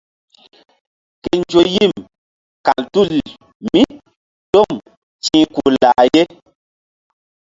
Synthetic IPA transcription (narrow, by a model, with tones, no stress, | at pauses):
ke˨n˦d͡ʒo˨ji˦˨m | ka˨ltu˦li˨ | mi˦ | to˦˨m | t͡ʃĩː˦ku˨la˨je˦